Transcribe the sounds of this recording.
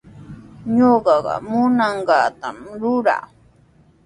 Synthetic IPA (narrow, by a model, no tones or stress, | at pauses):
ɲoɢɑɢɑ̰mʊnɑɴɢɑt̪amɾʊɾa̰